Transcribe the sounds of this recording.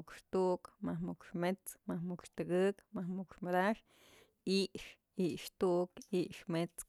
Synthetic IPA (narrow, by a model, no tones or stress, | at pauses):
ukʂt̪uʔkmahmukʂmet͡smahmukʂt̪ɨkɨkmahmukʂmad̪aʂ | iʔʂ | iʔʃt̪uʔkiʔʃmet͡s